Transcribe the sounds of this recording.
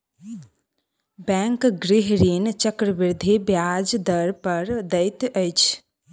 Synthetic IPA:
bɛ̃ŋkɡɾɪɦɾint͡ʃəkɾəbɪɾd̪ʱibjad͡ʒd̪əɾpəɾd̪əɪt̪əjt͡ʃʰ

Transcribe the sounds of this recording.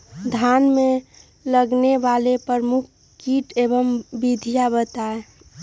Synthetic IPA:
d̪ʱaːnmẽ | ləɡneʋalepəɾmuk̚ʰ | kiːʈeːbəmbid̪ʱijabət̪ae

